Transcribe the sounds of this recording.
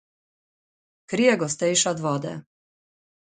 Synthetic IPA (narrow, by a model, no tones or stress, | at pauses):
kɾijɛɡɔst̪ɛjʃad̪ʋɔd̪ɛ̰